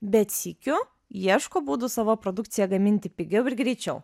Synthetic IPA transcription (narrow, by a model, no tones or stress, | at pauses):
bʲɛt̪sʲikʲʊ | jiɛʃkoːbuːd̪ʊsɑːʋoːpɾod̪ʊkt̪sʲɪjɛɡɐmʲɪnʲt̪ʲɪpʲɪɡʲɛʊɪɾɡɾʲɛɪt͡ʃʲɛʊ